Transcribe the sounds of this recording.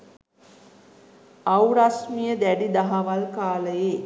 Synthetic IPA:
awɾasmijəd̪æɖid̪aɦaʋalkaːləje

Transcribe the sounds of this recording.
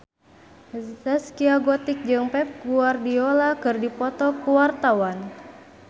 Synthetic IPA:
zɛskiaɡɔt̪ik̚d͡ʒɨŋpɛp̚ɡuardiolakɨrdipɔt̪ɔkuwart̪awan

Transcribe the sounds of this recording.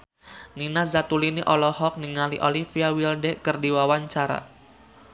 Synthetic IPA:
ninazat̪uliniʔɔlɔhɔk̚niŋaliʔolifiawildɛʔkərdiwawaɲt͡ʃaɾa̰

